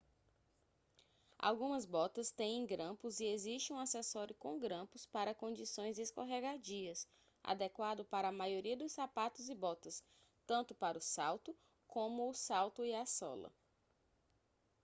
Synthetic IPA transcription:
a̰wɡũmɐzbɔt̪ɐst̪ẽj̃ẽj̃ɡɾɐ̃pʊzieziʃt͡ʃɪũasɛsɔɾjʊkõɡɾɐ̃mpʊspaɾɐkõd͡ʒisõj̃zd͡ʒeskoɦɛɡad͡ʒiɐs | ʔa̰d̪ɛkwad̪ʊpaɾɐːmajoɾiɐd̪ʊssapat̪ʊzɪbɔt̪ɐs | t̪ɐ̃nt̪ʊpaɾʊsawt̪ʊ | kõmʊːsawt̪ʊiasɔ̰lɐ̰

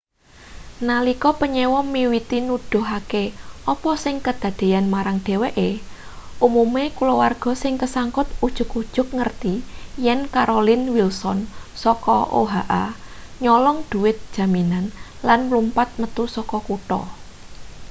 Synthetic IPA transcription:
nalikɔpəɲɛwɔmiwit̪inud̪̥ɔ̤ɦakeɔpɔsɪŋkəd̪̥ä̤d̪̥e̤janmaɾaŋɖ̥e̤weʔeʔumumekulowarɡ̥ɔ̤sɪŋkəsaŋkʊt̪̚ud̥ʒ̥ʊ̤kud̥ʒ̥ʊk̚ŋərt̪ijɛnkaɾolɪnwilsɔnsɔkɔʔo̰ɦaʔaɲɔlɔŋd̪̥ṳwɪt̪̚d̥ʒ̥a̤minanlanmlumpat̪̚mət̪usɔkɔkuʈɔ̰

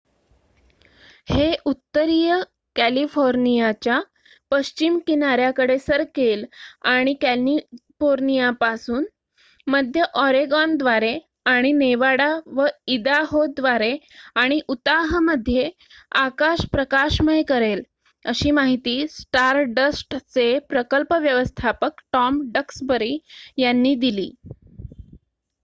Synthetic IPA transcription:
heʔut̪ːəɾijə | kælifoɾnijat͡ɕja | pəɕt͡ɕimkinaɾjakəɽesəɾkelaɽ̃ikælifoɾnijapasuːn | məd̪ʱjəʔɔɾeɡɔnd̪ʋaɾe | aɽ̃ineʋaɽaʋəid̪aɦod̪ʋaɾeaɽ̃iʔut̪aɦməd̪ʱːje | akaɕpɾəkaɕməjkəɾel | əɕiːmaɦit̪iːsʈaɾɖəsʈt͡sepɾəkəlpəʋjəʋəst̪ʰapəkʈɔmɖəksbəɾiːjanːiːd̪ilḭː

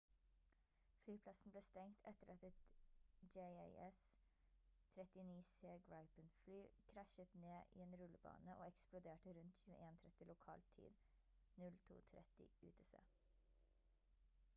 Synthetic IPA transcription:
flyːpʰlɑsn̩bleːst̪ɛŋt̪ʰɛt̪əɾɑt̪ɛt̪d͡ʒɛɪæɪɛs | t̪ʰɾɛt̪ɪniːseːɡɹɑɪpənflyːkʰɾæʃət̪neːʔḭːeːnɾʉləbɑ̰ːnəʔoːɛksplʊd̪eːʈəɾʉnt̪çʉːəʔeːnt̪ʰɾɛt̪ɪlʊkʰɑ̰ːlt̪ʰḭːd̪ | nʉlt̪ʰṵːt̪ʰɾɛ̰t̪ɪ̰ʔʉ̰ːt̪ʰəsḛː

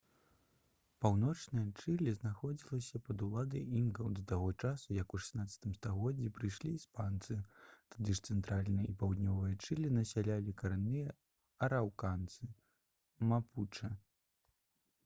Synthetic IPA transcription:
pawnɔt͡ʂnɨjɐt͡ʂɨlʲiznaxɔd͡zʲilˠɐsʲɐpɐd̪ulˠad̪ɐjinɡɐwd̪ɐt̪aɣɔt͡ʂasujɐkuʂɛ̥snat̪sʲɐ̥t̪ɨmst̪aɣɔd͡zʲːipɾɨjʂlʲiːspant̪sɨt̪ad̪ɨʂt̪sɛnt̪ɾalʲnɨjɐʔipawd̪nʲɔvɨjɐt͡ʂɨlʲinɐsʲalʲalʲikɐɾanːɨjɐ | ɐɾawkant̪sɨ | maput͡ʂɐ

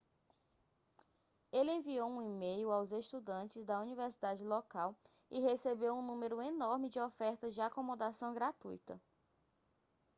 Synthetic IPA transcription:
elɪẽviowũimejʊawzeʃt̪ud̪ɐ̃nt͡ʃɪzd̪ɐuniveɾsid̪ad͡ʒɪlokaw | ɪɦesebewũnũmeɾʊenɔɾmɪd͡ʒɪɔfɛɾt̪ɐzd͡ʒɪakomod̪asɐ̃w̃ɡɾat̪ujt̪ɐ̰

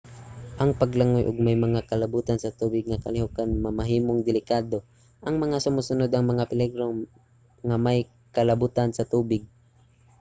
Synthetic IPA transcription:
ʔɐŋpɐɡlaŋojʔʊɡ̚majmɐŋakɐlɐbuːt̪ansɐt̪uːbɪɡ̚ŋɐkɐ̰lɪɦʊkanmɐmɐɦiːmoŋd̪ɪlɪkaːd̪o | ʔɐŋmɐŋasʊmusʊnod̪ɐŋmɐŋapɪlɛɡɾo | ŋɐmaj | kɐlɐbuːt̪ansɐt̪uːbɪɡ̚

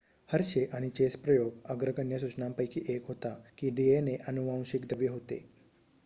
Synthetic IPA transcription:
həɾʃeʔaɽ̃it͡ɕespɾəjoɡəɡɾəkənjəs̬ut͡ɕnampəjkiʔekɦot̪akiɖieneʔənuʋãw̃ɕikd̪ʱəʋjəɦot̪ḛ

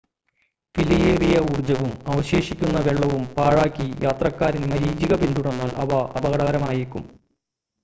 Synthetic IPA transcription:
filijeːrijɐuːrd͡ʑɐʋumɐʋɐɕe̞ːʂikʲːunːɐʋeɭːɐʋumpaːɻaːkʲːijaːt̪rɐkːaːɾinmɐɾiːd͡ʑiɣɐbind̪uɽɐnːaːlʔɐ̰ʋɐɐbɐɣɐɽɐːɐɾɐmaːjikʲːṵm

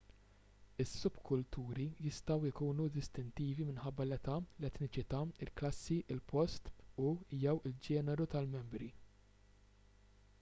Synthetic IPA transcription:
ɪsːʊbkʰʊlt̪uːɾijɪst̪ɐwɪkuːnud̪ɪst̪ɪnt̪iːvimɪnħɐbːɐlɛt̪ɐlɛt̪nɪt͡ʃɪt̪ɐːɪlklɐsːiʔɪlpɔst̪ujɛwɪld͡ʒɛːnɛɾut̪ɐlmɛmbɾi

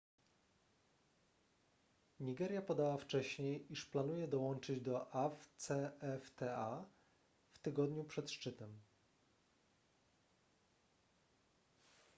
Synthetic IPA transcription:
ɲiɡɛɾʲjapɔd̪awaft͡ʂɛɕɲejiʂplanujɛd̪ɔwɔnt͡ʂɘd͡ʑd̪ɔʔaft̪sɛɛft̪ɛa | ft̪ɘɡɔd̪ɲupʂɛt̪ʂt͡ʂɘt̪ɛm

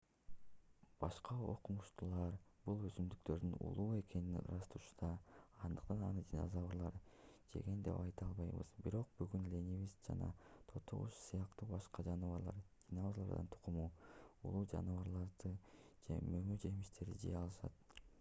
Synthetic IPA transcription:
b̥ɑʃqɑo̰quɴuʃt̪ulˠɑɾb̥ulˠøzymd̪ykt̪ø̞ɾd̪ynṵlˠuːe̞ke̞ninɾɑst̪uːʃu̥d̪ɑːnd̪ɯq̚t̪ɑnɑ̰nɯd̪ʲino̰zɑβuɾlˠɑɾd͡ʒe̞̰ɡend̪e̞̰pɑjt̪ɑlˠβɑjβɯ̰z̥biɾo̞q̚byɡynlʲenʲiβizd͡ʒɑ̰nɑ̰t̪ʰot̪ʰo̰ʁṵʃsɯjɑqt̪uːbɑʃqɑd͡ʒɑnɯvɑɾlˠɑ̰ɾd̪̥ʲinolˠɑɾd̪ɯnt̪ʰu̥qumuːṵlˠuːd͡ʒɑ̰nɯβɑɾlˠɑɾd̪ɯd͡ʒe̞̰mømyd͡ʒe̞miʃt̪ʰe̞ɾd̪ḭd͡ʒḛjɑlˠɯʃɑ̰t̪̚

